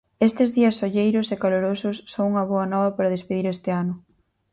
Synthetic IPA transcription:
est̪ɪzðiɐsːoʎejɾʊsekaloɾosʊsːoŋuŋɐβoɐnɔβɐpaɾɐð̞espeðiɾest̪ɪanʊ

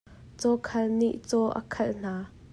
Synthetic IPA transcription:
t͡sɔkʰɐlnḭʔt͡sɔʔə̰kʰɐln̥aː

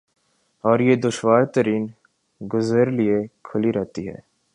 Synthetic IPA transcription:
ɔːɾjed̪ʊʃʋaːɾt̪əɾiːn | ɡʊzəɾliekʰʊliɾɛɦt̪iɦɛ̰ː

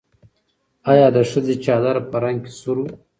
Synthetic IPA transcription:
ajɑd̪əʂəzet͡ʃɑːd̪aɾapəɾaŋɡke̥suɾu

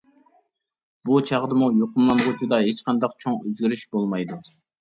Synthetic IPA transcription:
but͡ʃʰɑʁd̪ɨmujoqʰʊmlˠɑnʁot͡ʃʰud̪ɑɦet͡ʃqʰɑnd̪ɑqt͡ʃʰoŋøzɡʲiɾyʃbolˠmɑjd̪u

